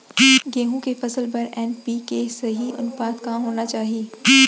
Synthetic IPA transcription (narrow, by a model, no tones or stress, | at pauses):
ɡeːɦũkefɐsəlpɐɾɛːnpiːkeseɦiʔʊ̰npaːd̪kaɦoːnat͡ʃaːɦieː